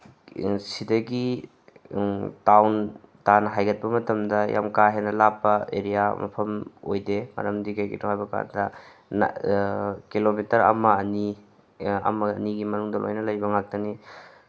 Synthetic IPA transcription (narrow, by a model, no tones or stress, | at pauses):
sidɐɡi | tawn | tanɐɦajɡɐt̚pɐmɐtɐmdɐjʔa̰mkaɦenɐlapːɐeɾijamɐ̰pʰɐmojdemɐ̰ɾɐmdikɐjɡḭtohajbɐka̰ndɐ | n̰ | kilomitɐɾɐ̰mɐːni | ɐ̰mɐɐniɡimɐnuŋdɐlʔo̰jnɐlɐjbɐŋak̚tɐni